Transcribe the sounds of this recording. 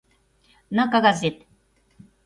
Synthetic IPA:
nakaɡazet̪

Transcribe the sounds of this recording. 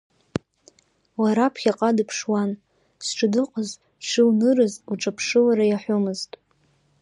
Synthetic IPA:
waɾapʰχʲaqʼadɨpʰʂwan | sʈ͡ʂʰʼɨdɨqʼəz | ʃɨwnɨɾɨzuʈ͡ʂʼapʰʂɨwaɾajaħʷʊmɨztʼ

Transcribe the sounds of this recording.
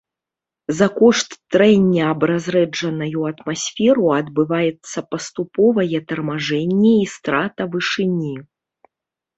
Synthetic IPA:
zɐkɔʂt̪ːɾɛnʲːɛɐbɾazɾɛd͡ʐɐnɐjuɐt̪masʲfʲɛɾuɐd̪̚bɨvajɛt̪sːɐpɐst̪upɔvɐjɛt̪ɐrmaʐɛnʲːɛist̪ɾat̪ɐvɨʂɨnʲi

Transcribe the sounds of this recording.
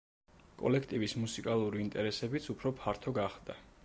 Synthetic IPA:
kʼɔ̰lɛkʰt̪ʼivismusikʼalˠuɾiint̪ʼɛɾɛsɛbit̪sʰupʰɾɔpʰaɾt̪ʰɔɡaχd̪a

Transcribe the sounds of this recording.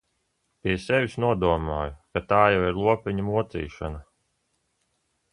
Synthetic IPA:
pʲiɛsɛvʲisnuɔd̪uɔmaːjukat̪aːjawiɾlˠuɔpʲiɲamuɔt̪sḭːʃa̰na

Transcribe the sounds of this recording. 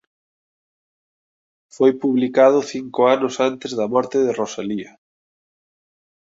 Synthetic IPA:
fojpuβlikað̞ʊθiŋkʊanʊsant̪ɪzðɐmɔɾt̪ɪðerosaliɐ

